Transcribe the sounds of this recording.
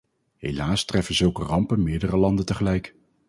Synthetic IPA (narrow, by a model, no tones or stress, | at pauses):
ɦejlaːstrɛfənzɵlˠkərɑmpənmɪːɹdərəlɑndəntəχəlɛjk